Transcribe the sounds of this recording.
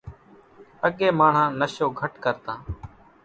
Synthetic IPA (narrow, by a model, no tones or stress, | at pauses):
əɠeːmaːɳ̤ãːnəʃoːɡʱəʈkəɾt̪ãː